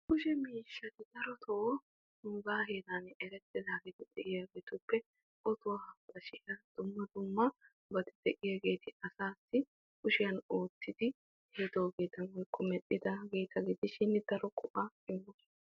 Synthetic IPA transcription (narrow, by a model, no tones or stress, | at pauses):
kʊʃɛmiːʃːɐt̪ɪd̪ɐɾɔt̪ʰɔʔɔ | nuːɡaːheːd̪anɛɾɛt̪ːɪd̪aːɡɪd̪ɪd̪ɛʔɪjɐɡeːt̪ʊpːɛ | ʔɔt̪ʊwɐhɐbɐʃɪɐd̪̥ʊmːɐd̪ʊmːɐ | bɐt̪ɪ̥d̪̥ɛʔɪjaɡe̞ːt̪ɪɐsaːsːɪ | kʊʃɪjɐno̞ːt̪ːɪd̪ɪ | hɪd̪oːɡeːt̪ɐnwɔjkʰːɔmɛɗːɪd̪ɐɡeːt̪ʰɐɡɪd̪ɪʃɪnːd̪̥ɐɾɔkʼʊʔɐɪmːɔs